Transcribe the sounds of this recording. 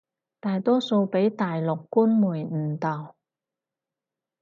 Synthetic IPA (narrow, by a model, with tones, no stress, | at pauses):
t̪aː˨jt̪ɔː˥so˧wpe˨˥jt̪aː˨jlʊ˨kːuː˥nmuː˨˩jn̩ː˨˩t̪ɐ˨˩w